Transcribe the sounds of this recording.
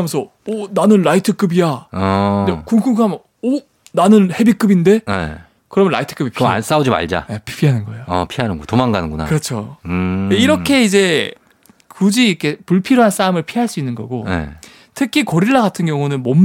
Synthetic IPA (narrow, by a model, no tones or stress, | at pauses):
mjensʰʌ | onanɯnɾaitʰɯk͈ɯbija | ekuŋk͈ʰɯŋkʰam | o | nanɯnhe̞bik͈ɯbinde̞ḛ | kɯɾʌmjʌɾla̰itʰɯ̥k͈ɯbipʰa̰s͈aud͡ʑima̰ɭd͡ʑa̰epʰpʰiɦanɯnɡʌejoʌpʰiɦanɯnɡotomaŋɡanɯnɡuna̰kɯɾʌt͡ɕʰo | eiɾʌkʰe̞id͡ʑe̞ | kud͡ʑiːkʰe̞puɭpʰiɾoɦans͈aɯmɯɭpʰiɦaɭs͈uinːɯnɡʌ̰ɡoḛ | tʰɯkʰikʌɾiɭːaɡatʰɯnɡjʌŋunɯnmʌmː